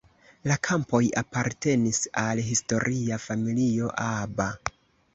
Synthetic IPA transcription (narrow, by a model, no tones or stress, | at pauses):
lakʰampo̞ja̰paɾte̞nisalɦisto̞ɾʔiafamilio̞ʔaba